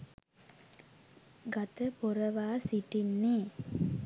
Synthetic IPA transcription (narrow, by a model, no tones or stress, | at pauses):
ɡat̪əpoɾəʋaːsiʈinːeː